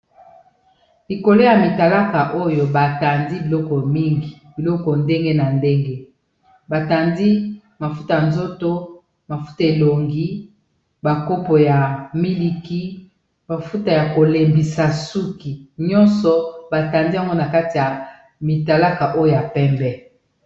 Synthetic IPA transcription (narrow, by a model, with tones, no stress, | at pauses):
li˨ko˨lo˦ja˨mi˨ta˨la˦ka˨ʔo˦jo˨ba˨ta˨ndi˦bi˨lɔ˦kɔ˨mi˦ŋɡi˨b̥i˨lɔ˦kɔ˨nde˦ŋɡe˦na˨nde˦ŋɡe˦ | ba˨ta˨ndi˦ | ma˨fu˦ta˨ja˨nzo˦to˦ | ma˨fu̥˦ta˨e˨lo˨ŋɡi˦ | ba˨ko˦po˨ja˨mi˦li˨ki˦ | ma˨fu˦ta˨ja˨ko˨le˨mbi˨sa˨su˦ki˨ɲɔ˦nsɔ˨ba˨ta˨ndi˦a˦˨ŋɡo˦na˨ka˦ti˨ja˨ | mi˨ta˨la˦ka˨ʔo˦jo˦˨ja˨pɛ˦mbɛ˦